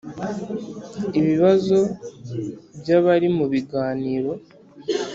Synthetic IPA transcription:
iβiβazo̞ | bjaβaɾimuβiɡaːniːɾo̞

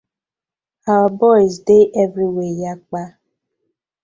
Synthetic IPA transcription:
awabɔɪzdeʔɛvɾiwejak͡pa

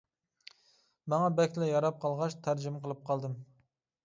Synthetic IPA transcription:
mɑŋɑbɛkʲlɛjɑɾɑp̚qʰɑlˠʁɑʃt̪ʰæɾd͡ʒɪmqʰəlˠɨp̚qʰɑlˠd̪ɨm

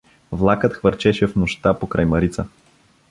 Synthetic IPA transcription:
vlˠakət̪xvəɾt͡ʃɛʃɛfnoʃt̪apokɾajmɐɾit̪sə

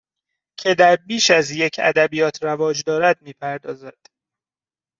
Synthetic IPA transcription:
cʰe̞d̪æɾbiːʃæzjecʰæ̰d̪æbijɒːt̪ʰɾævɒːd͡ʒd̪ɒːɾæd̪̚miːpʰæɾd̪ɒːzæd̪̥

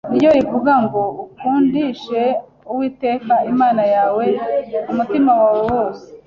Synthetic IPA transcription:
nijoɾivuɡaŋɡo̞ukuːndiʃe̞ | uwiːte̞ːkaimaːnajaːwe̞umutimawaːwewo̞ːse̥

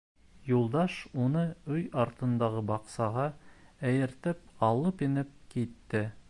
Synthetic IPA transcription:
julˠd̪ɑʃunɤɵjɑɾt̪ɤ̆nd̪ɑʁɤbɑqsɑʁɑæjɘ̆ɾt̪ɘp̚ɑlˠɤpĭnɘp̚kit̪ːɘ

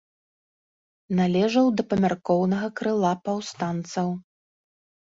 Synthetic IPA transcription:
nalʲɛʐɐwd̪ɐpɐmʲarkɔwnɐɣɐkɾɨlˠapawst̪ant̪sɐw

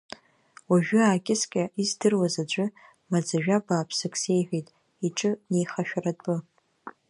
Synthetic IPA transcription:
waʒᶣʊaːkʲʼɪskʲʼaʔizdɨrwazad͡ʒʷʼʊ | mad͡zaʒᶣabaːpʰsɨkʰʼse̞jħʷᶣejtʼ | iʈ͡ʂʼɨne̞jχaʃᶣaratʼɨ

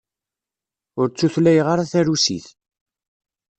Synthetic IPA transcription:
ʊɾt͡sːuθlæjʁaɾaθæɾusḭθ

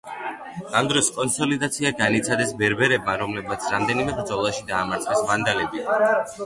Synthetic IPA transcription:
amd̪ɾɔskʼɔnsɔlid̪at̪sʰiaɡanit̪sʰad̪ɛsbɛɾbɛɾɛbmaɾɔmlɛbmat̪sʰɾamd̪ɛnimɛbɾd̪zɔlˠaʃid̪aːmaɾt̪sʰʼvɛsmand̪alɛbi

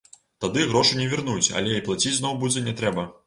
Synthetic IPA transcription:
t̪ad̪ɨɣɾɔʂunʲɛvʲirnut͡sʲɐ̰lʲɛiplˠat͡sʲid͡zʲznɔwbud͡zʲɛnʲɛt̪ɾɛbɐ

